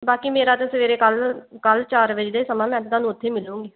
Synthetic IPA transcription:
baːkiːmeːɾaːt̪eːsəʋeːɾeːkəlkəlt͡ʃaːɾʋɪt͡ʃd̪eːsəmãːmɛ̃ːt̪d̪ãːnũːʊt̪ʰːeːmɪlːũːŋɡeː

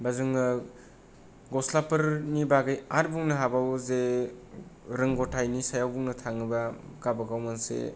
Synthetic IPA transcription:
bazuŋɯ | ɡɔslapɯɾnibaɡɯjaɾbuŋnɐɦabawze | ɾɯŋɡotʰajnisajawbuŋnɐtʰaŋɯbakabaɡawmansḛ

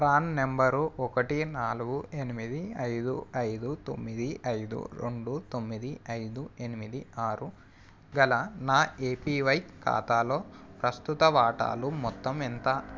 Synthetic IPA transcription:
pɾaːnnembɐɾuɔkɐʈinaːluɡue̞nimid̪iɐjd̪uɐjd̪ut̪o̰mːid̪iɐjd̪ṵɾḛɳɖut̪o̞mːid̪iɐjd̪ue̞nimid̪iaːɾu | ɡɐlɐnaːeːpiːʋɐjka̰ːt̪aːlo̞ːpɾɐst̪ut̪ɐʋaːʈa̰ːlumɔt̪ːɐment̪a

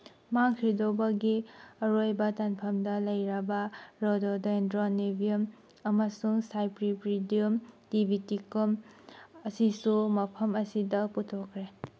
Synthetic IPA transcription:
maŋkʰɾidobaɡiɐɾojbɐtanpʰɐmdɐlɐjɾabɐɾodɔdendɾɔnebiɔm | ɐmasuŋsajpɾipɾidiumtibʱitikɔmɐsisumɐpʰɐmɐsidɐputʰɔkʰɾe

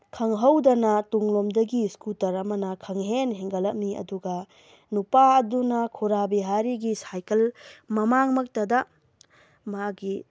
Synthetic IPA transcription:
kʰɐŋɦɐwdɐnɐtuŋlomdɐɡiskutɐɾɐmɐnɐkʰɐŋɦenɦeŋɡɐlɐk̚miɐ̰duɡɐ | nupaɐdunɐkʰuɾabiɦaɾiɡisajkɐlmɐmaŋmɐk̚tɐdɐ | maɡi

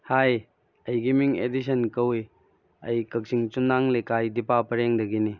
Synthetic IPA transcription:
haj | ɐjɡimiŋḛdis̬ənkɐwi | ɐ̰jkɐk̚sʰiŋt͡ʃunaŋlekajdipapɐɾeŋdɐɡini

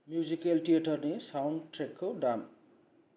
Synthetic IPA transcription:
mjuzikelʈijeʈʌrnesawɳɖʈrekːkoɖam

